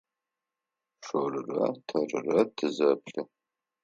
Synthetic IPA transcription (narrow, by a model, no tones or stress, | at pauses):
ʂorɨrɐ̰tʰɐrɨrɐtʰɨzɐpɬɨ